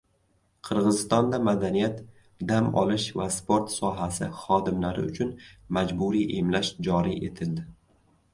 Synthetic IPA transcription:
qʰɨɾʁɨzɪst̪ɒnd̪amad̪anijat̪ | d̪amɒ̰lɪʃvaspʰoɾt̪sɒɦasɪχɒd̪ɪmlaɾɪ̰ʊt͡ʃʰʊnmad͡ʒbuɾiʔemlaʃd͡ʒɒɾḭʔe̞̰t̪ʰɪld̪ɪ

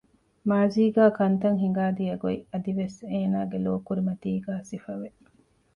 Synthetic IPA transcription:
maːziːɡaːkɐnt̪ɐŋɦiŋɡaːd̪iɐɡoiɐd̪iʋeseːnaːɡeloːkuɾimɐt̪iːɡaːsifɐʋe

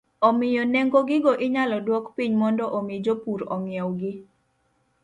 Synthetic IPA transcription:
ɔmɪjɔnɛŋɡoɡɪɡɔʔɪɲalɔdwɔkpiɲmɔndɔʔomɪd͡ʒopuɾɔ̰ŋjɛwɡɪ

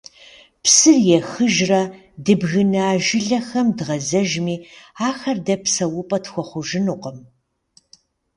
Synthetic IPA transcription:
pʰsɨrjɛxɨʒrɐ | dɨbɣɨnɐaːʒɪɮɐxɐmdʁɐzɐʒmiːaːxɐrdɐpʰsɐwʊpʼɐtxʷɔχʷʊʒɪnuːqʼɐm

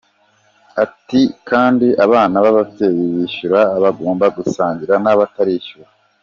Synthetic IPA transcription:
atikaːndiʔaβaːnaβaβavtejiβiʃuɾaːβaɡo̞ːmbaɡusaːɲɟiɾanaβataɾiːʃuɾa

